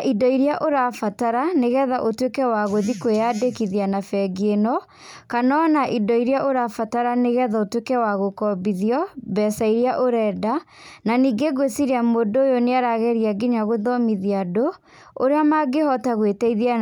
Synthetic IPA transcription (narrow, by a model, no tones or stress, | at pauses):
ʔidɔiɾjaʔoɾafataɾaneɣɛðaʔotwekɛwaɣoðikojadekiðianafɛɡenɔ | kanɔnaʔidɔiɾjaʔoɾafataɾaneɣɛðaotwekɛwaɣokɔbiðiɔbɛsaiɾiaʔoɾɛːda | naniːɡeɣwesiɾeamodoːjoneaɾaɣɛɾiaɡiɲaɣoðɔmiðiado | oɾeamaɡehɔtaɣwetɛiðia